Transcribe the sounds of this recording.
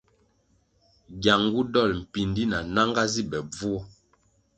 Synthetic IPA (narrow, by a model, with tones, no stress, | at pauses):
ɡja˨ŋɡu˦dɔ˦˨lm̩˨pi˨ndi˦na˨na˦ŋɡa˦zi˦bɛ˨b͡vu˦ɔ˦